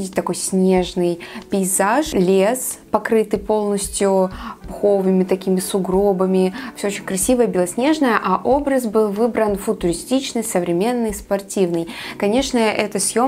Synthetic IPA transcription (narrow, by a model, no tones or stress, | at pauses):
dʲɪtʲt̪ɐko̞jsʲnʲe̞ʐnɨjpʲɪɪzaʂlʲespɐkɾɨt̪ɨpo̞lˠnəsʲtʲjʊpʊxo̞vɨmʲɪt̪ɐkʲimʲɪsʊɡɾo̞bəmʲɪfsʲoot͡ɕɪnʲkɾɐsʲivəjəbʲɪlˠɐsʲnʲe̞ʐnəjəʔaʔo̞bɾəsbɨlˠvɨbɾənfʊt̪ʊɾʲɪsʲtʲit͡ɕnɨjsəvɾʲɪmʲe̞nːɨjspɐrtʲivnɨjkɐnʲe̞ʂnəʔɛt̪əsʲjo